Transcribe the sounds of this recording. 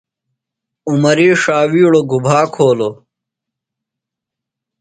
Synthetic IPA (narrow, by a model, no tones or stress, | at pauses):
umɐɾiːʂaːwiːɽoɡubʱaːkʰoːlo